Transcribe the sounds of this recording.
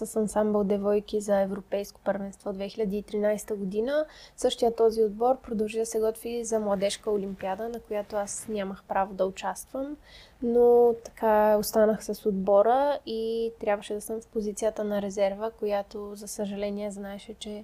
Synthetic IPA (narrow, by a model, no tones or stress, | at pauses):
sɐsɐnsambəlˠd̪ɛvɔjkizɐɛvɾopɛjsko̥pəɾvɛnst̪vɔd̪vɛxilʲɐd̪iːt̪ɾinajsɛ̥t̪əɡod̪inəsɤʃt̪ijət̪ːɔziod̪̚bɔɾpɾod̪ɐlˠʒid̪ɐsɛɡɔt̪vizɐmlˠɐd̪ɛʃkəolimpiad̪ənɐkojat̪oasnʲaməxpɾavod̪ɐʊt͡ʃast̪vəm | not̪ɐ̥kaost̪anəxsɐsod̪bɔɾəit̪ɾʲjabvəʃɛd̪ɐsəmfpozit̪sijət̪ənɐɾɛzɛɾvəkojat̪ozɐsəʒɐlɛniɛznaɛʃɛt͡ʃɛ